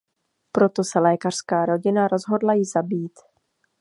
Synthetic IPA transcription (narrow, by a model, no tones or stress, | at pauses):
pɾo̞t̪o̞sɛlɛːkar̝̥skaːɾo̞ɟɪnaɾo̞zɦo̞dlajɪzabiːt̪